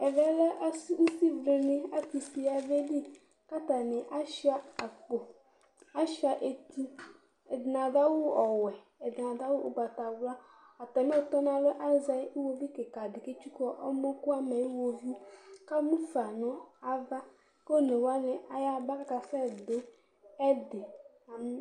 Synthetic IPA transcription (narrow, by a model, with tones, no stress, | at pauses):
ɛ˨vɛ˦lɛ˦ʔsu˦si˦vɾe˨nɪ̃˦a˦ki˨si˨a˨ve˦di˦ | ka˦t̪a˨nɪ̃˨ʔa˦ʃa˦a˨ko˨ | a˦ʃa˨ʔe˨t̪i˦ | ɛ˨dna˨da˦wʊ˦ɔ˨wɛ˨ | e˨da˨da˦wʊ˦ʔo˦ba˨ta˨wla˦ | a˨t̪ɔ˨mẽ˦ɔ˦t̪ɔ˦n˦ã˨lo˦ʔa˦za˨˦i˦wo˦vi˦ke˨ka˨dɪ˨ke˦t͡ʃu˦kɔ˦ʔɔ̰˦mɔ̃˦ku˦a˦me˨i˦wo˨vi˦ka˦mũ˦fa˨nʊ̃˦a˦va˦ | ko˦˨ne˨wa˦nɪ̃˨ʔa˨ja˦ba˦ka˨sa˦˨d̪o˦ | ɛ˦dɪ˨ | a˨m˦